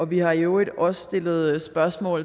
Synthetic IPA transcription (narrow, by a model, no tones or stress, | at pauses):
ɒ̽ʋihɑ̈jo̝e̝d̥ɒ̽sːd̥e̝l̰ð̞̩ˠsb̥ɶɐsmɔ̰̽ːl